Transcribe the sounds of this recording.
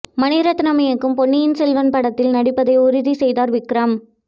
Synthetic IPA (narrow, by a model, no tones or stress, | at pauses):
mɐnɪɾɐt̪ːnɐmɐjɐkːɯmpɔɳːɪjɪnsɛlʋɐnpɐɽɐt̪ːɪlnɐɽɪpːɐðɐɪʊɾɪðisɛjðaːɾʋɪkːɾɐm